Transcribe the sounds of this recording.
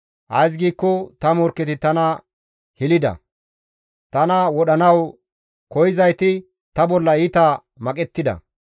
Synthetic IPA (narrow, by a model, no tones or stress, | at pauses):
ʔɐ̰js̬ɡiːkːɔt̪ɐmɔɾkːɛt̪ɪt̪ɐnɐ | hɪlɪd̪ɐ̰ | t̪ɐnɐwɔɗɐnɐw | kɔjɪzɐjt̪ɪ | t̪ɐbɔlːɐit̪ɐ | mɐkʼɛt̪ːɪd̪ɐ̰